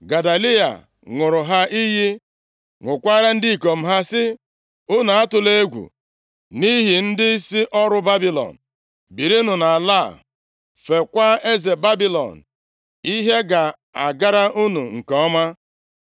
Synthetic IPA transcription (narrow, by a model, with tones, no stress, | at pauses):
ɡa˨da˨li˦a̰˨ | ŋʷʊ˨ɾʊ˨ɦa˦ʔi˦ɦi˦ | ŋʷʊ˨kʷa˦ɾa˦n̩˦dɪ˦i˨ko˨m̩˦ɦa˦sɪ˦ | ʊ˦na˨a˦tʊ˨le˦ɡʷṵ˨ | ni˦ɦi˨n̩˦dɪ˦si˦ʔɔ˦ɾʊ˦ba˦bi˦lɔ̰˨n̩˨ | bi˨ɾi˦nʊ˨na˨la˦˨ | fe˨kʷa˦e˦ze˨ba˦bi˦lɔ̰˨n̩˨ | i˦ɦe˦ɡa˨ | a˨ɡa˦ɾa˦ʔu˦nṵ˨ŋ̩˨kɔ˦ma˦